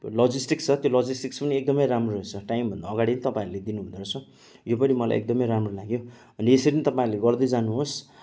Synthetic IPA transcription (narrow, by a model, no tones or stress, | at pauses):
lʌd͡zisʈikst͡sʰʌt̪jolʌd͡zisʈikspʌniek̚d̪ʌmʌjɾamroɦet͡sʰʌʈaimbʱʌnd̪aːɡaɽiʌnit̪ʌpaĩɾuled̪inuund̪oɾʌt͡sʰʌ | jopʌnimʌla̰j̰ʔḛk̚d̪ʌmʌjɾamrolaɡjo | ʌnieseɾinit̪ʌpãĩleɡʌrd̪ʌjd͡zanuɦos